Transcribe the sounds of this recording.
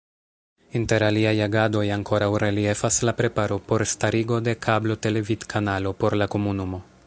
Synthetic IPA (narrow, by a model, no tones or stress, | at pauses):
inte̞ɾaliajaɡado̞jaŋko̞ɾawɾe̞lie̞faslapɾe̞paɾo̞po̞ɾstaɾiɡo̞de̞kʰablo̞te̞le̞vidkʰanalo̞po̞ɾlako̞munumo̞